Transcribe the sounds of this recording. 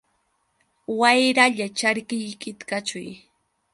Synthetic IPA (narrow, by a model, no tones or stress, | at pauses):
wajɾaʎat͡ʃaɾkɪjkɪt̪kat͡ʃʊj